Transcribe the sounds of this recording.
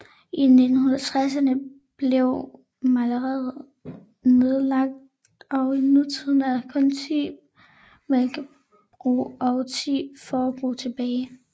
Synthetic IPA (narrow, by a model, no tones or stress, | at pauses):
ine̝d̥n̩hunɐt͡sʰʁas̬ɐnə | b̥le̝ʊ | mæləʁɛðˠ | ne̝ð̞ˠlɑ̈ɡ̥̚d̥ | ɒ̽ʊinut͡sʰiðˠn̩æðˠkʰɔnt͡sʰḭː | melɡ̥ə | b̥ʁṵːɒʊt͡sʰḭːfɒb̥ʁṵːt͡sʰe̝b̥ɛː